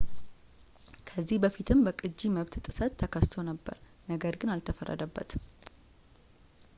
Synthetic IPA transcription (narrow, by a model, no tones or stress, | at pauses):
kʰəzːihbəfit̪ʰɨmbəkʼɨd͡ʒːiməβt̪t̪ʼɨsət̪ʰːəkʰəst̪ʰo̞nəbːə̰ɾ | nəɡəɾɡɨnalt̪ʰəfə̰rːə̰d̪əbːə̰t̪